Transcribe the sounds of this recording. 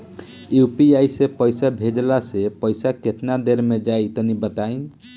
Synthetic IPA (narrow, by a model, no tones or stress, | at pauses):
jupiajsepəjsabʱed͡ʒlasepəjsaket̪nad̪eɾmed͡ʒait̪ɔnibət̪ain